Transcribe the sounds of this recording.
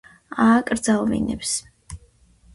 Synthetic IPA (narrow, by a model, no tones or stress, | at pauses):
aːkʼɾd̪zalˠvḭnɛ̰ps